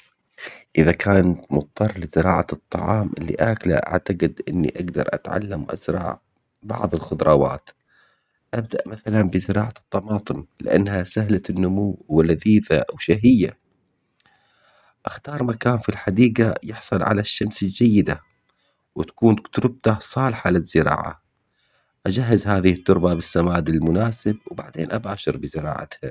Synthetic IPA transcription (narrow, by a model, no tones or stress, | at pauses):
ʔɪðakʰaːnat̪mʊt̪̚ˤːɑrˤlɪzɨɾɑːʕaɨt̪ˤːɑ̰ʕɑːmʔɪ̰lːḭʔaːkla̰ʔa̰ʕt̪aɡɪd̪ʔɪnːḭʔaɡd̪ɑ̰ɾˤʔa̰t̪ʕa̰lːamʔa̰zɾˤɑ̰ːʕ | bɑ̰ʕðˤɪlxʊd̪ɾˤɑːwa̰ːt̪ | ʔab̚d̪aʔmaθalanbɪzɨɾɑːʕat̪ˤːɑmɑːt̪ˤɨmlɪʔa̰nːhasahlanːʊmuwːwalaðiːfaʔawʃaɦɪjːa̰ | ʔaxt̪ɑːɾˤmakaːnfilħad̪iːɡajɪħsˤɨlʕa̰laʃːamsɪld͡ʒajːɪd̪a | wɪt̪ḁkuːnkt̪ʊɾɪb̚t̪asˤɑːlħalɪzːɪɾɑ̰ːʕa̰ | ʔad͡ʒaɦːɪzhaːðɪhɪt̪ːʊɾbabɪsːamaːd̪ɪlmʊnaːsɪbwbaʕd̪ḛːnʔabaːʃɪɾbɪzɪɾɑ̰ːʕa̰t̪ha